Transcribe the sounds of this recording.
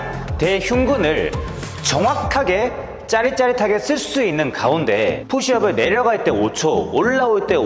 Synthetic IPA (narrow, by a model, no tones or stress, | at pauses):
te̞çuŋɡunɯɭ | t͡ɕʌŋwakʰaɡe̞ | t͡ɕ͈aɾit͡ɕ͈aɾitʰaɡe̞s͈ʰɯɭs͈uinːɯnkaunde̞̰pʰuɕʰiʌbɯɭne̞ɾjʌɡaɭt͈e̞ot͡ɕʰooɭːaoɭt͈e̞